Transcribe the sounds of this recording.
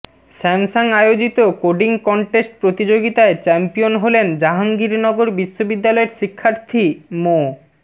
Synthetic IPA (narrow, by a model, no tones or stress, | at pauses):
ʃɛmsaŋajod͡ʑit̪okoɖiŋkɔɳʈesʈ̚pɾot̪id͡ʑoɡit̪aet͡ɕɛmpionɦolend͡ʑaɦaŋɡiɾnɔɡoɾbiʃːobid̪ːalɔeɾʃikʰːaɾt̪ʰimo